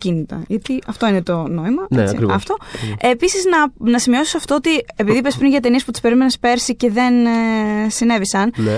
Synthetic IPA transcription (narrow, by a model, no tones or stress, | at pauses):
cinit̪ɐ̰ʝɐt̪iɐft̪o̞inet̪o̞no̞imɐneḭkɾiɐ̰ft̪o̞episiznɐnɐsimio̞si̥sɐft̪o̞ot̪ie̞piðipespɾinʝɐt̪̬e̞nie̞sput̪i̥spe̞ɾimenespe̞ɾsice̞ðe̞n | sine̞visɐnn